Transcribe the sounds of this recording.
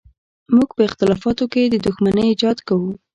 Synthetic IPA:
muɡpəɪxt̪ɪlɑfɑt̪oked̪əd̪ʊxmanəid͡ʒɑd̪kawu

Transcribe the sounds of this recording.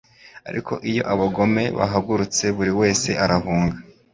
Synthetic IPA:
a̰ɾʔḭkʰo̞̰ʔijo̞̰ʔaβaɡo̞me̞βa̰ɦaɡuɾut͡se̞βuɾiwe̞ːse̞ʔaɾaɦuːŋɡa

